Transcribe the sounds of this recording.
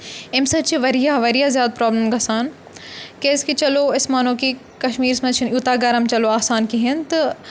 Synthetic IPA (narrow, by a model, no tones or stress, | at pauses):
ɪmsɐt͡ʃiʋɐɾijaʋɐɾijazjaːd̪̚pɾɔːbləmɡɐsaːn | keːskit͡ʃɐloɪsmaːn̤õːki | kɐʃmiːɾsmɐ̃t͡ʃʰɪnjuːt̪aɡɐɾəmt͡ʃɐloaːsaːnkiɦɪnt̪ɐ